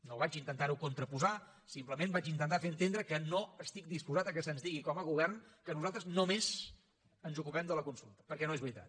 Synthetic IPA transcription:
noβat͡ʃint̪ənt̪aɾukunt̪ɾəpuza | simpləmenbat͡ʃint̪ənt̪afeɾənt̪end̪ɾəkənoəst̪ik̚d̪ispuzat̪əkəsənzðiɣikɔməɣ̞uβ̞ɛrnkənuzalˠt̪ɾəznomez | ənzukupɛmd̪ələkunsulˠt̪ə̥pəɾkɛnoezβɾit̪a̰t̪

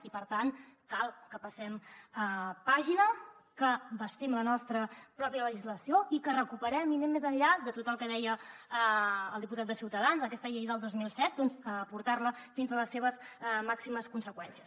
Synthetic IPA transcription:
ipəɾt̪ankalˠkəpəsɛməpaʒinə | kəbəst̪ɛmlənɔst̪ɾəpɾɔpjələʒizləsioikərəkupəɾɛminemːezəɲʎad̪ət̪ot̪əlˠkəðɛjəə̰ːlˠd̪iput̪at̪d̪əsiwt̪əðanzəəkɛst̪əʎəiðəlˠd̪ozmilˠsɛt̪̚d̪ɔnzəpuɾt̪arləfinzələsːeβ̞əsmaksiməskunsəkwɛnsiəs

